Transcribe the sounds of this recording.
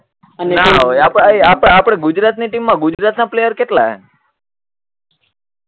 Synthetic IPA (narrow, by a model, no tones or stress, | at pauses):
nnaɦojapapapɽ̃eɡʊd͡ʒɾat̪niʈimːãɡʊd͡ʒɾat̪naplejəɾkeʈlaɦḛ